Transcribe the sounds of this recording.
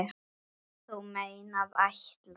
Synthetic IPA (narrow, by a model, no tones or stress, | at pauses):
θuwmeːjnaðaçt̪la